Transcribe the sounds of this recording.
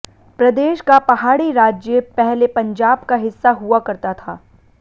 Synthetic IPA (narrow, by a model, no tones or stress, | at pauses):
pɾɐd̪eːʃkapɐɦaːɽiɾaːd͡ʒjəpɛɦlepɐ̃ɲd͡ʒaːbkaɦɪsːaɦuakɐɾt̪at̪ʰaː